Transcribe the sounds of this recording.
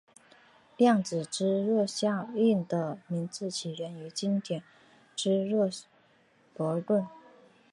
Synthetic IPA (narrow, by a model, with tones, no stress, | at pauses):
ljɑ˥˩ŋt͡sɹ̩˨˩ʈ͡ʂɻ̩˥ɻɔ˥˧ɕjɑ˥˧ŋi˥˩nd̪ə˦mi˧˥nt͡sɹ̩˥˩t͡ɕʰi˨˩ɥɛ˧˥ny˧˥t͡ɕi˥ŋt̪jɛ˨˩n | ʈ͡ʂɻ̩˥ɻɔ˥˩ | pwɔ˧˥˧t̪wə˥˩n